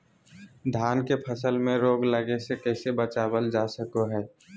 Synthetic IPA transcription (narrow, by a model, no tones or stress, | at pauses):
d̪ʱaːnkepʰəsəlmẽɾoːɡləɡesekɛːsebət͡ʃaːbəld͡ʒaːsəkoɦɛː